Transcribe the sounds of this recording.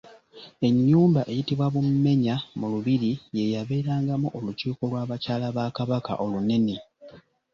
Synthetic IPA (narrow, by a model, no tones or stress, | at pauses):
e̞ɲːuːmbaʔe̞jitiβwaβumme̞ɲamuluβiɾije̞jaβe̞ːɾaːŋɡamuʔoluciːko̞lwaːβacaːlaβaːkaβaka̰ʔo̞lune̞ne